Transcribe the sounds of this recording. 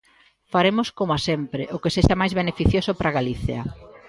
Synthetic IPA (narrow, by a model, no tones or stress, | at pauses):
faɾemoskomoasempɾɪʔokeseʃamajzβenefiθjosʊpɾaɣaliθjɐ̰